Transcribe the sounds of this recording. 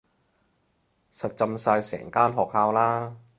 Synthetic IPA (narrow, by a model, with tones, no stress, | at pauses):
sɐ˨t̚t͡sɐ˧msaː˧jsɛ̰ː˨˩ŋkaː˥nɦɔː˨k̚haː˧wlaː˥